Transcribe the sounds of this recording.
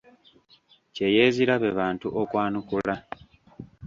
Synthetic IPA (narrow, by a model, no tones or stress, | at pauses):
ceje̞ːziɾaβe̞βaːntuʔokwaːnukula